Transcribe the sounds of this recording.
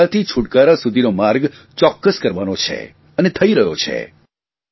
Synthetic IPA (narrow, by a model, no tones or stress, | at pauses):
at̪ʰit͡ʃʰuʈkaɾasud̪ʱinomaɾɡ | t͡ʃɔkːəskəɾʋanot͡ʃʰḛ | ənet̪ʰəiɾəɦjo̰t͡ʃʰḛ